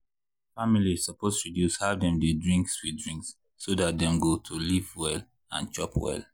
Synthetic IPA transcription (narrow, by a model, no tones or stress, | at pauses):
familiz̥sɔpoztɹidjushavdɛ̃mdedɹĩŋkswidɹĩŋksː | odat̚dɛ̃mɡotʰulivwɛl | ã̰nt͡ʃɔpʰwɛ̰l